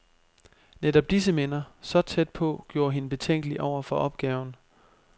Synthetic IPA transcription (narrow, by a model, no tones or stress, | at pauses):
ned̥ɒ̽b̥̚d̥is̬əmen̰ɐsɒ̽t͡sʰed̥̚pʰɒ̽ɡ̥jo̝ːɐɦinəb̥e̝t͡sʰeŋ̰ɡ̥əliʔɒʊ̰ɐfɒ̽ʔɒ̽b̥̚ɡ̥ɛːʊn̩